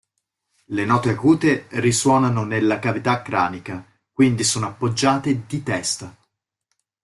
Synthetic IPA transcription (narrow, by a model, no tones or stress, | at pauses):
lenɔːt̪eakuːt̪eriswɔːnanonelːakavit̪akːɾaːnika | kwind̪isoːnoapːod͡ʒːaːt̪ed̪it̪ɛst̪a